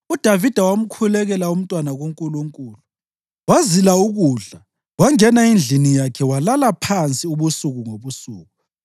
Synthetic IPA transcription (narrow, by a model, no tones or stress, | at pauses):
ud̥ʱavid̥ʱawam̩kʰulɛɣɛlaum̩tʼwanaɣoŋkʼuluŋkʼuːlu | wazilauɣuɮa | waŋɛnaind͡ɮʱinijakʰɛwalalapʰant͡sʼiuβusuɣuŋoβusuːɣu